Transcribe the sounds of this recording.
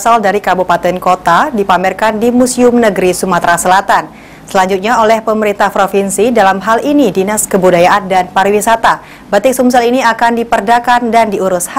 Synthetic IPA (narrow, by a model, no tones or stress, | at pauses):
saldaɾikabupat̪ɛnkot̪adipamɛrkandimusiʊmnəɡɾisumat̪ɾasəlat̪an | səlaɲd͡ʒut̪̚ɲaolɛhpəməɾint̪ahpɾofinsidalamɦalinidinaskəbudajaʔandanpaɾiwisat̪a | bət̪ɪk̚sumsaliniakandipərdakandandiuɾʊsha